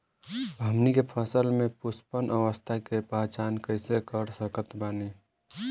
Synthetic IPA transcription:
bʱəmnikepʰəsəlmẽpʊspənʔəʋəst̪ʰakepat͡ʃankəɪsekəɾsəkət̪baːni

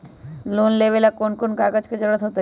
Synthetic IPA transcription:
lonlebelakonkonkaɡəd͡ʒked͡ʒəɾɽət̪ɦoːt̪a

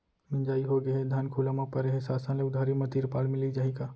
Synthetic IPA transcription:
mɪ̃nd͡ʒaːiɦoɡɐɦɛd̪ʱaːnkʰuːlamãpɐɾeɦesaːsə̃nleʊd̪ʱaːɾimɐt̪iːɾpaːlmɪ̃lid͡ʒaːɦikaː

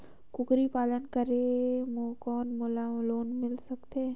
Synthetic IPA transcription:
kʊkɾipaːlənkəɾemokɔːnmʊlaloːnmɪlsɐkt̪eː

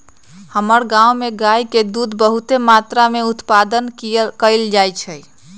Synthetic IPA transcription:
həməɾɡãwmeɡajked̪ud̪bəɦut̪emat̪ɾameut̪pad̪ənkkəɪld͡ʒajt͡ʃʰəj

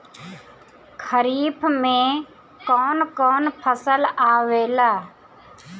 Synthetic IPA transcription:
kʰəɾiːpʰmẽ | kɔːnkɔːnpʰəsəlaːʋeːlaː

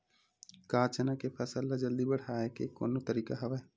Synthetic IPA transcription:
kaːt͡ʃənakepʰɐsəlːad͡ʒɐld̪ibəɽ̤aːekeko̰ːnot̪əɾiːkaɦɐʋae

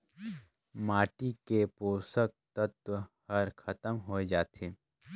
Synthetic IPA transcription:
maːʈikepoːsək̚t̪ɐt̪wəhɐɾkʰɐt̪əmɦoed͡ʒaːt̪ʰeː

